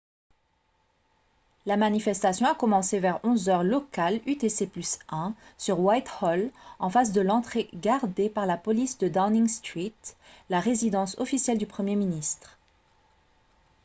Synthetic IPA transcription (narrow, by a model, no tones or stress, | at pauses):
lamanifɛst̪asjɔ̃akɔmɑ̃sevɛʁɔ̃zœʁlɔkalyt̪eseplysɛ̃syʁwajt̪hɔlɑ̃fas̬d̪əlɑ̃t̪χeɡaʁd̪epaʁlapɔlisd̪əd̪awniŋst̪χit̪laʁezid̪ɑ̃sɔfisjɛld̪ypχəmjeminist̪χ